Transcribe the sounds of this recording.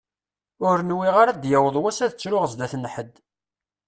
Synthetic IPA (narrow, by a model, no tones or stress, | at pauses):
ʊɾnwiʁaɾad̪jæwəðˤwæsæðət͡sːɾʊʁəzd̪æθnħəd̪